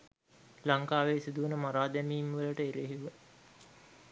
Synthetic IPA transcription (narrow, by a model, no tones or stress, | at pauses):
laŋkaːʋeːsid̪uʋənəmaɾaːd̪æmiːmʋələʈəeɾeɦeʋə